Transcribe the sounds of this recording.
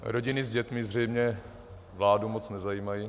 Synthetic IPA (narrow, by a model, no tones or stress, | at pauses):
ɾo̞ɟɪnɪzɟɛt̪mɪzr̝ɛjmɲɛ | vlaːdumot͡snɛzajiːmaji